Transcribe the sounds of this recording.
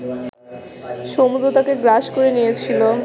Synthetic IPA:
ʃomud̪ɾot̪akeɡɾaʃkoɾenijet͡ɕʰilo

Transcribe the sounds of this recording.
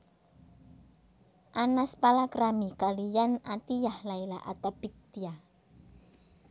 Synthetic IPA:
ʔanaspalakɾamikalijanat̪ijahlaila̰ʔa̰t̪ab̥ik̚t̪ia

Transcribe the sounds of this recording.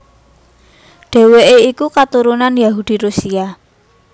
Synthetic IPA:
ɖ̥e̤weʔeikukat̪uɾunanjaɦud̪̥i̤ɾusia

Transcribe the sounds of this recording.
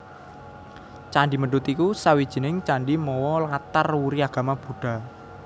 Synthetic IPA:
t͡ʃaɳɖiməɖʊt̪ikusawid̥ʒ̥i̤nɪŋt͡ʃaɳɖimɔwɔlat̪arwuɾiaɡ̥a̤mab̥ṳɖ̥a̤

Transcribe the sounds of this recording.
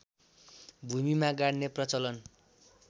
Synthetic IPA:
bʱumimaɡaɽneprʌt͡sʌlʌn

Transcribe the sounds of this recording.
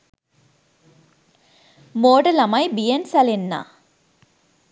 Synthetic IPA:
moːɖɐlɐmɐjbijensɐlenːa̰

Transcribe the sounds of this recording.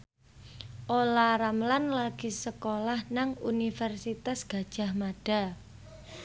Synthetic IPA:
ʔolaɾamlanlaɡ̥isəkolahnaŋṵnifɛrsit̪asɡ̥a̤d̥ʒ̥a̤hmaɖ̥a̤

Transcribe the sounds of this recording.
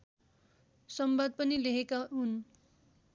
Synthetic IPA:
sʌmbad̪̚pʌnileɦekaɦun

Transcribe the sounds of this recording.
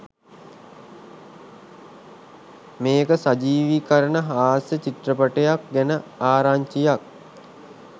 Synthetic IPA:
meːkəsad͡ʒiːʋikəɾənəɦaːsjət͡ɕiʈrəpəʈejak̚ɡænəaːɾaːɲt͡ʃijak̚

